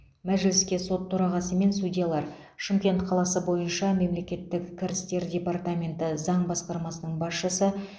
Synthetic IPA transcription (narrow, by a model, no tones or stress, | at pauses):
mæʒlɪskʲe̞so̞t̪ʰːʊɾɑʁɑsəme̞nsudʲijalˠɑɾ | ʃɪmkʲe̞nt̪qʰɑlˠɑsəbo̞jənʃɑme̞mle̞kʲe̞t̪ːɪkkʲʰːɪɾɪst̪e̞ɾdʲe̞part̪amʲe̞nt̪ɪzɑɴbɑsqɑɾmɑsənəɴbɑsʃəsə